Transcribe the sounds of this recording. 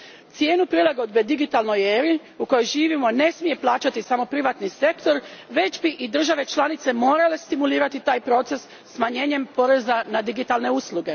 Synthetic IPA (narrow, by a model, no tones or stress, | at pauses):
t̪sje̞ːnupɾilˠaɡo̞d̪be̞d̪iɡit̪alno̞jeːɾi | uko̞jo̞jʒiːʋimo̞ne̞smije̞plˠaːt͡ʃat̪isamo̞pɾiʋat̪nise̞kt̪o̞ɾʋe̞t͡ʃbiʔid̪r̩ʒaʋe̞t͡ʃlˠanit̪se̞mo̞ːɾale̞st̪imuliːɾat̪it̪aːjpɾo̞t̪se̞sːmaɲe̞ːɲe̞mpo̞ɾe̞zanad̪iɡit̪alne̞uslˠuɡe̞